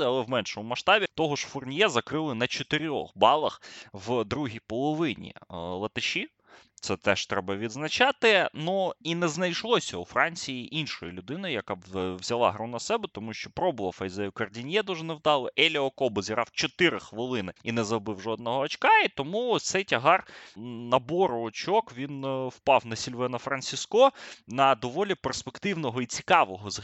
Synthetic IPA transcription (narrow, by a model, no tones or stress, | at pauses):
ɐlˠɛwmɛnʃɔmʊmɐʃt̪ɑbʲit̪ɔɦɔʃfʊrnʲjɛzɐkɾɪlˠɪnɐt͡ʃɔt̪ɪɾʲɔ̰xbɑlˠɐxʋd̪ɾuɦʲijpɔlˠɔʋɪnʲḭlˠɐt̪ɪʃʲi | t̪sɛt̪ɛʃt̪ɾɛbɐʋʲid̪znɐt͡ʃɑt̪ɪnuinɛznɐjʃlˠɔsʲɐufɾɑnʲt͡sʲijiʔinʃɔjɪlʲʊd̪ɪnɐjjɐkawzʲɐlˠɑ̰ɦɾunɐsɛbɛt̪ɔmuʃt͡ʃɔpɾɔbʊlˠɐfɐjzɛjʊkɐrdʲinʲjɛd̪uʒɛnɛwd̪ɑlˠɪʔɛlʲiɔkɔbɔzʲiɾɑ̰wt͡ʃɔt̪ɪɾɪxʋɪlˠɪnɪinɛzɐɔbɪwʒɔd̪̚nɔɦɔɐt͡ʃkɑit̪ɔmut̪sɛjtʲɐɦɑrnɐbɔɾɔːt͡ʃɔkʋʲinwpɑwnɐsʲilʲʋɛnɐfɾɐnʲt͡sʲiskɔnɐd̪ɔʋɔlʲiperspekt̪ɪwnɔɦɔit͡sʲi̥kɑʋɔɦɔz